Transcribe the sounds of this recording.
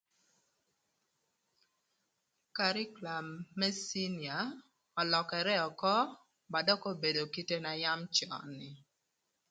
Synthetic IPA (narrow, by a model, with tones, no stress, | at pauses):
ka˨ɾɪ˦kla˨mːɛ˦si˦ni˨a˨ | ɔ˨lɔ˨kɛ˨ɾɛ˦ɔ˨kɔ˦ | ba˨dɔ˦kɔ˦be˨do˨ki˦te˦na˨ja˦mt͡ʃɔ̰˨nɪ˨